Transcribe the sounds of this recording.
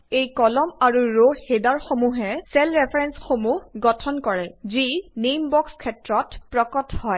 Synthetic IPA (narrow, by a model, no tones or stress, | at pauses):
ejkɔlɔmaɹuɹohedaɹxomuɦɛsɛlɹɛpʰɹɛnsxomuhɡɔtʰɔnkɔɹɛzinejmbɔkskʰɛtɹɔtpɹɔkɔtʰhɔj